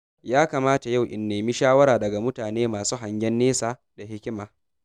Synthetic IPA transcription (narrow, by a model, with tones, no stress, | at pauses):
jaː˦kaː˨maː˦ta˨ja˦˨wʔɪ̰˨nːeː˨mi˦ʃaː˦wɐ˦ɾaː˨dɐ˨ɡa˨mʊ˦taː˨neː˦maː˨suː˦ɦa˨ɲɡʲɛ˦nːeː˦saː˨ | da˨hɪ˦kʲɪ˦maː˨